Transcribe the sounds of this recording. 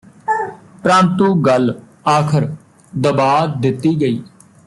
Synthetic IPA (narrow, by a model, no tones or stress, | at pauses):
pɾãːnt̪ũːɡəl | aːkʰəɾ | d̪əbaːd̪ɪt̪ːiːɡəiː